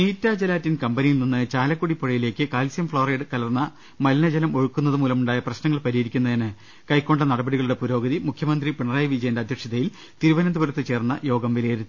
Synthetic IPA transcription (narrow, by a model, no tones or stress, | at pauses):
niːtːaːd͡ʑɐlaːtːinkɐmbɐnijilninːɨt͡ɕaːlɐkːuɽipːoɻɐjile̞ːkːɨkaːlsjɐmfɭoːreːɖɨkɐlɐrnːɐ | mɐlinɐd͡ʑɐlɐmo̞ɻukːunːɐðɨmuːlɐmuɳɖaːjɐprɐɕnɐŋːɐɭpɐɾijeɾikʲːunːɐɐnɨ | kɐjkːo̞ɳɖɐnɐɽɐbɐɽiɣɐɭuɽe̞puɾo̞ːɡɐðimukʰjɐmɐnd̪ripeɳɐraːjʋid͡ʑɐjɐndeɐd̪ʱjɐkʂjɐðɐjil | t̪iɾuʋɐnɐnd̪ubɐɾɐt̪ːɨt͡ɕe̞ːrnːɐjo̞ːɡɐmʋilɐjɐɾuː